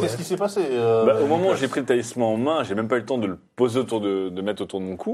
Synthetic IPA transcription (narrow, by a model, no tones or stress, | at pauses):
kɛskʲisɛpaseøbaomɔmɑ̃uʒepχilət̪aismɑ̃ːmɛ̃ʒemɛmpaylət̪ɑ̃d̪ələpozeot̪uʁd̪əd̪əmɛt̪χot̪uʁd̪əmɔ̃kʰu